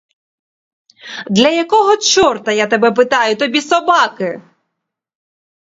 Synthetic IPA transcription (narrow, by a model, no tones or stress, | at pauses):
d̪lʲɐjɐkɔɦɔt͡ʃɔrt̪ɐjat̪ɔbɛp̬ɪt̪ɑjʊt̪ɔbʲisɔbɑkɪ